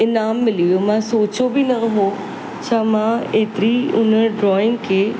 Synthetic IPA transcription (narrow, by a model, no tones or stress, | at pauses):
ɪnaːmːɪlijomãsoːt͡ɕobʱinɐɦo | t͡ɕʰaːmãeːt̪ɪɾiʊnəɖɾɔːɪ̃ŋkʰeː